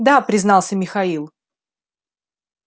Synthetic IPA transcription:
d̪apɾʲɪznɑlˠsʲəmʲɪxɐilˠ

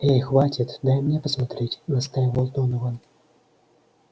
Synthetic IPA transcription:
ɛjxvatʲit̪d̪ajmnʲɛpɐsmat̪ɾɛt͡sʲnɐst̪ajɣɔlˠt̪ɔnɔvan

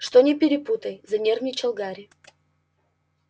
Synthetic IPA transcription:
ʂt̪onʲɪpʲɪɾʲɪput̪əjzɐnʲermʲnʲɪt͡ɕɐlˠɡaɾʲɪ

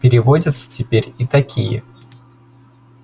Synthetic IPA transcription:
pʲɪɾʲɪvodʲət̪sə̥tʲɪpʲeɾʲit̪ɐkʲʰijə̰

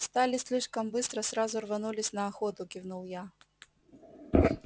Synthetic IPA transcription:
st̪alʲisʲlʲiʂkɐmbɨst̪ɾɐsɾazurvanulʲisʲnɐːxɔt̪ʊkʲiwnuwja

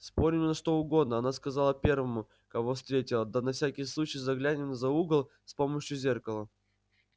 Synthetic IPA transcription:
spo̞ɾʲɪmʲɪnəʂt̪o̞ʊɡo̞d̪̚nəɐnaskɐzalˠəpʲe̞rvəmʊ | kɐvo̞fst̪ʲɾʲetʲɪlˠəd̪anɐfsʲækʲɪjslˠut͡ɕɪjzɐɡlʲænʲɪnzɐuɡəlˠ | spo̞məɕjʊzʲe̞rkəlˠə

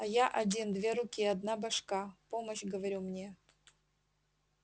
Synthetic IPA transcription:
ɐjaʔɐdʲind̪vʲeɾʊkʲiɐd̪nabɐʂkapoməɕɡəvɐɾʲumnʲe

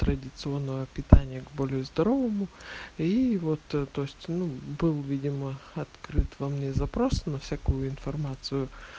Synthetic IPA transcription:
t̪ɾədʲɪt̪sɨo̞nːəvəpʲɪt̪anʲɪjəɡbo̞lʲɪjʊzd̪ɐɾovəmʊivo̞t̪t̪oɪsʲtʲnubɨlˠvʲidʲɪməɐt̪kɾɨt̪vɐmnʲezɐpɾo̞snɐfsʲakujʊɪnfɐrmat̪sɨjʊ

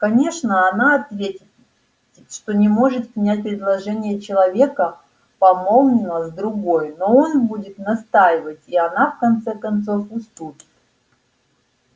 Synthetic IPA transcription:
kɐnʲe̞ʂnəɐnaɐt̪vʲetʲɪ | tʲɪt̪ʂt̪o̞nʲɪmo̞ʐɨt̪pɾʲɪnʲæt̚ʲpɾʲɪd̪lˠɐʐɛnʲɪjət͡ɕɪlˠɐvʲe̞kə | pɐmo̞lˠnʲɪnəzd̪ɾʊɡo̞jno̞o̞nbudʲɪt̪nɐst̪ajɪvətʲiɐnafkɐnt̪sɛkɐnt̪so̞fʊst̪upʲɪ̥t̪

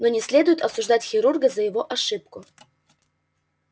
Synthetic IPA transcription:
nonʲɪsʲlʲe̞d̪ʊjɪt̪ɐsʊʐd̪atʲxʲɪɾurɡəzəjɪvo̞ʔɐʂɨp̚kʊ

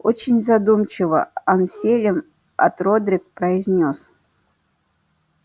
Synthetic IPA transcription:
o̰t͡ɕɪnʲzɐd̪umt͡ɕɪvə̰ɐnsʲelʲɪm | ɐ̰t̪rod̪ɾʲɪk̚pɾəɪzʲnʲos

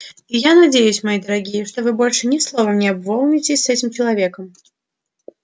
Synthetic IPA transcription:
ijanad͡zʲejʉsʲmajid̪əɾaɡʲijəʂt̪ɔvɨbɔlʲʂɨnʲɪslˠɔvɐnʲɪabvɔlˠnʲɪt͡sʲɪsʲsɛt͡sʲɪmt͡ɕɪlˠavʲekəm

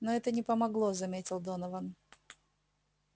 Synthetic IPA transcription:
noɛt̪ənʲɪpəmɐɡlˠozɐmʲetʲɪlˠd̪onɐvən

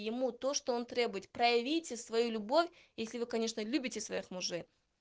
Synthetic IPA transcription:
jɪmut̪o̞ʂt̪oont̪ɾʲe̞bʊjɪt̪̚pɾəjɪvʲijtʲɪsvɐjulʲʊbo̞fʲ | jesʲlʲɪvɨkɐnʲe̞ʂnəlʲʉbʲɪtʲɪsvɐjixmʊʐej

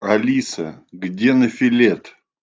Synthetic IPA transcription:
ɐlʲisə̰ɡdʲenəfʲɪlʲet̪

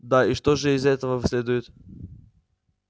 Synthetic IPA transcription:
d̪aiʂt̪oʐɨɪzɛt̪əvəvsʲlʲed̪ʊjɪt̪

